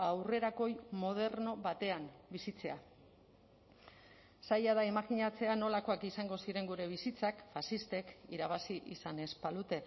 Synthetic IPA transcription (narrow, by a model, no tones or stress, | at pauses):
awre̞ɾako̞jmo̞ð̞e̞ɾno̞βat̪e̞ambisit͡se̞a | sajaðaemakiɲat͡se̞ano̞lako̞akisaŋɡo̞siɾe̞ŋɡuɾe̞β̞isit͡sakfasist̪e̞kiɾaβ̞asiʔisane̞spalut̪e̞